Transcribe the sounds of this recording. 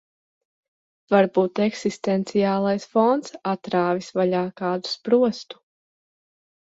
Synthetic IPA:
vaɾbuːt̪ɛksist̪ɛnt̪sijaːlˠajsfɔnt̪sat̪ɾaːvisvaʎaːkaːd̪u̥spɾuɔst̪u̥

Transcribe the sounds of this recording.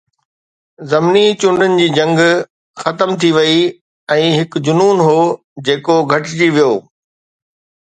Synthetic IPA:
zɐmnit͡ɕʊɳɖʊnɪ̆d͡ʑiːd͡ʑɐ̃ŋɡ | xɐt̪əmt̪ʰiʋɐi | ɛ̃ːɦɪkd͡ʑʊnuːnɦoː | d͡ʑeːkoɡʱɐʈd͡ʑiːʋijoː

